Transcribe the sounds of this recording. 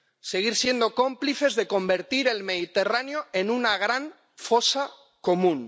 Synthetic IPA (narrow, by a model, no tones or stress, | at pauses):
se̞ɣ̞iɾsje̞nd̪o̞ko̞mpliθe̞zðeko̞mbe̞ɾt̪iɾe̞lme̞ðit̪e̞ranjo̞enunaɣ̞ɾan | fo̞sa | ko̞mũn